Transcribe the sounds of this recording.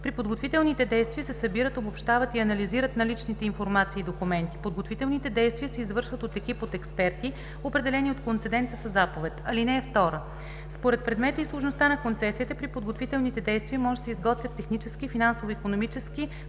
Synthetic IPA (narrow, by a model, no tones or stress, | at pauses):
pɾipod̪ɡot̪vit̪ɛlˠnit̪ɛd̪ɛjst̪viəsɛsɐbiɾət̪obopʃt̪avət̪iɐnɐliziɾət̪nɐlit͡ʃnit̪ɛinfoɾmat̪siːd̪okumɛnt̪i̥pod̪̚ɡot̪vit̪ɛlˠnit̪ɛd̪ɛjst̪viəsɛizvɤɾʃvət̪ot̪ɛk̟ipot̪ɛkspɛɾt̪i | opɾɛd̪ɛlɛniot̪kont̪sɛd̪ɛnt̪əsɐzapovɛt̪ɐlinɛɛft̪ɔɾə | spoɾɛt̪̚pɾɛd̪mɛt̪əislˠoʃnost̪anɐkont̪sɛsiːt̪ɛpɾipod̪ɡot̪vit̪ɛlˠnit̪ɛd̪ɛjst̪viəmɔʒɛsɛizɡɔt̪vʲət̪ːɛxnit͡ʃɛskifinansovoikonomit͡ʃɛski